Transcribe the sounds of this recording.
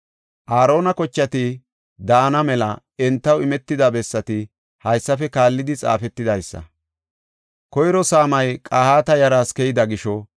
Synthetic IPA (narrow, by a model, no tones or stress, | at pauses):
ʔaːɾo̞ːnɐkɔt͡ʃːɐt̪ɪ | d̪aːnɐmɛlɐ | ɛnt̪ːɐwɪmɛt̪ːɪd̪ɐbɛsːɐt̪ɪ | hɐjsːɐfɛkaːlːɪd̪ɪt͡sʼa̰ːfɛt̪ːɪd̪ɐjsːɐ̰ | kɔjɾɔsaːmɐjkʼaːhaːt̪ɐjɐɾaːskɛjɪd̪ɐɡɪʃɔ